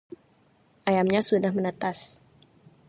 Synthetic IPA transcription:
ʔajamɲasudahmənət̪as

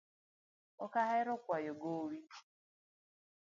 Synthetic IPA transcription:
ɔkaɦaɪɾʊkʷajoɡowi

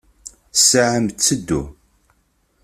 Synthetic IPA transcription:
saʕəmt͡sːəd̪ːu

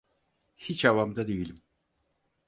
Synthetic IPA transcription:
hit͡ʃavamd̪ad̪ejilʲim

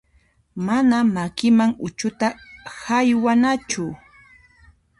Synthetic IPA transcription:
manamakɪmaŋʊt͡ʃʊt̪ahajwanat͡ʃʊ

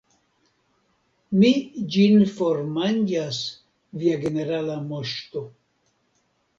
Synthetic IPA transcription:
mid͡ʒinfoɾmand͡ʒas | viaɡeneɾalamoʃt̪o

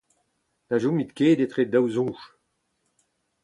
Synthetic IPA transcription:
laʒũmit̪keːd̪et̪ʁed̪awzɔ̃ʃ

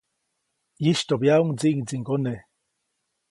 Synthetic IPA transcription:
jiʃt̪objauŋd͡ziʔŋd͡ziŋɡone

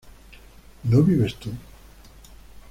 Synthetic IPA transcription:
noβiβest̪u

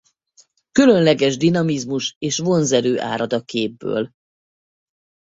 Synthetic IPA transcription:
kylø̞nlɛɡɛʒd̪inɒmizmuʃeːʃʋo̞nzɛɾøːʔa̰ːɾɒd̪ɒkeːbːø̰ːl

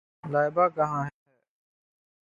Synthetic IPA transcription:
laːɪbaːkɐɦãːɦɦɛː

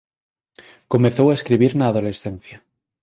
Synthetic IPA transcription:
ko̞meθowaeskɾiβ̞iɾnaːðo̞le̞sθẽn̟θja

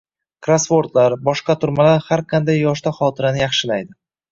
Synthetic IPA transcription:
kɾasfo̞ɾt̪laɾbɒʃqɑt̪ʰʊɾmalaɾhaɾqʰɑnd̪ajːɒʃt̪aχɒt̪ʰɪɾanɪjaχʃɪlajd̪ɪ

